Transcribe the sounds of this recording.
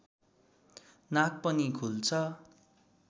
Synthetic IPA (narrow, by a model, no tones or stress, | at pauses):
nak̚pʌnikʰult͡sʰʌ